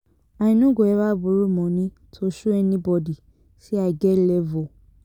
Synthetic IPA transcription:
aĩnũɡoɛβabuɾumɔ̃nĩ | tʰoʃuɛnĩbɔdi | siaɡɛlɛvɔ

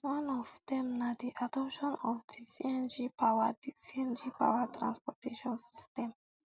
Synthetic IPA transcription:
wãnɔvd̪ɛ̃mnad̪iʔadɔpʃɔ̃nɔfd̪isiɛ̃nd͡ʒipawadisiɛ̃nd͡ʒipa̰wat̪ɾã̰nspɔt̪eʃɔ̃nsi̥st̪ɛ̃m

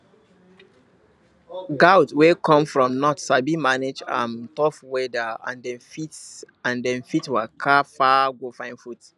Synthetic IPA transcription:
ɡawtwekʰɔ̃mfɹɔ̃mnɔtsabimaned͡ʒã̰ntɔfwɛdaã̰ndɛ̃nfit | ãndɛ̃nfitwakʰafaɡofãɪ̃nfut

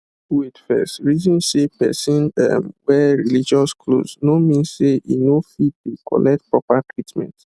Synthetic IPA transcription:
idfɛ̰stɹizɔ̃nsepɛ̰sɔ̃na̰mwɛɹilid͡ʒɔskʰlo̰znomĩnseinofid̚tukɔ̰lʔɛk̚t̚pɹɔpatɹitmɛ̰̃nt

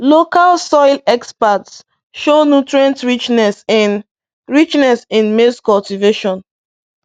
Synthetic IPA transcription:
lokalsɔɪlɛkspats | ʃonutɹiãntɹit͡ʃnɛsɛ̃n | ɹit͡ʃnɛsĩnmeskɔltiveʃɔ̃n

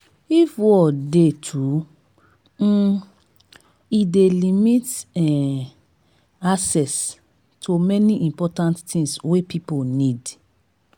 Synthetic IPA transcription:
ifwɔdetʰu | idelimitɛ | asɛs | tʰomɛniʔĩmpɔtãnttĩŋswepʰiponid

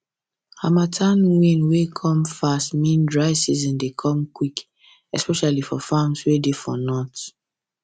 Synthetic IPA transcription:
hamatʰãnwĩnwekʰɔ̃mfastmĩndɹaɪsizɔ̃ndekʰɔ̃mkwik | ɛspɛʃalifɔfãmswedefɔnɔt

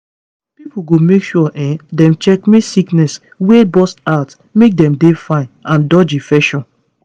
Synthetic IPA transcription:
pipuɡomekʃuɔʔɛ̃dɛ̃mt͡ʃɛkmisiknɛs | webɔstat | mek̚dɛ̃mdefãɪ̃nãndɔd͡ʒifɛʃɔ̃n

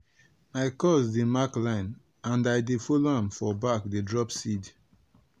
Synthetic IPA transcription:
aɪkɔsdimaklãɪ̃n | ãndaɪdefoloãmfɔbakdedɹɔpsid

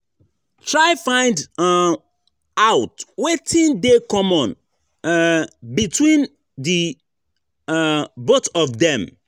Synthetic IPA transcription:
tʰɹaɪfãɪ̃nd | awtwetʰĩndekɔ̃mɔ̃n | bitwĩn | di | botɔfdɛ̃m

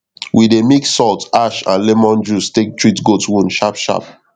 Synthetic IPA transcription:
wʔidemiksɔltaʃã̰nlɛmɔ̃nd͡ʒustek̚tɹitɡotwũnʃapʃa̰p̚

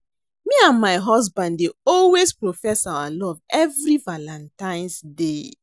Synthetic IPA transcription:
miãnmaɪɦɔsbãndeɔlwespɹofɛsawalɔvɛvɹivalãntãɪ̃nsde

